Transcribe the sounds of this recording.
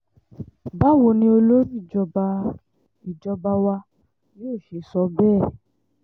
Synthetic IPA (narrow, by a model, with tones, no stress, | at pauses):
ba˦˨wo˧nĩ˧˦o˧lo˦ɾi˦˨d͡ʒɔ˧ba˧ | i˨d͡ʒɔ˧ba˧wa˧ | joː˦˨ʃe˨˦sɔ˧˦bɛː˦˨